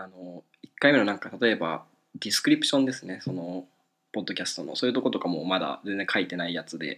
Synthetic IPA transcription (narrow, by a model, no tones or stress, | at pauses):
ano̞ | ikːaime̞nonãŋkat̪at̪o̞e̞ba̰ | d̪ʲisɨ̥kɯ̟ɾʲipɯ̟̥ɕõ̞nd̪e̞sɨne̞so̞no̞ | po̞d̪ːo̞kʲasɨ̥t̪o̞no̰soːjɯt̪o̞ko̞t̪o̞kamo̞mad̪a̰ze̞nd͡ze̞ŋ̃kʰait̪e̞naijat͡sɨd̪e̞̰